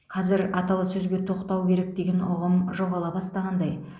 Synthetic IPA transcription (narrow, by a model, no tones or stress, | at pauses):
qʰɑzɪɾɑt̪ɑlˠəsɵzɡʲe̞t̪ʰo̞qt̪ɑwkʲʰe̞ɾek̚d̪e̞ɡʲenʊʁəmʒo̞ʁɑlˠɑbɑst̪ɑʁɑnd̪ɑj